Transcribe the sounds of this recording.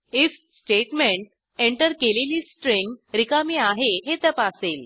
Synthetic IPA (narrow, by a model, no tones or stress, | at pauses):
if | sʈeʈmẽɳʈ̚ | eɳʈəɾkeleliːsʈɾeŋɡɾikamiːaɦeɦet̪əpasel